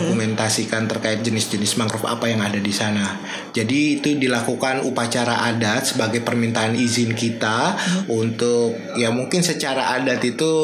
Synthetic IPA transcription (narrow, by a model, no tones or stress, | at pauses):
kumɛnt̪asikant̪ərkaɪt̪̚d͡ʒənɪsd͡ʒənɪsmaŋkɾʊpa̰pajaŋadadisana | d͡ʒadiːt̪udilakukanupat͡ʃaɾaʔadat̪̚səbaɡajpərmint̪aɦanizɪnkit̪aunt̪ʊk̚jamuŋkɪnsət͡ʃaɾaʔadat̪it̪u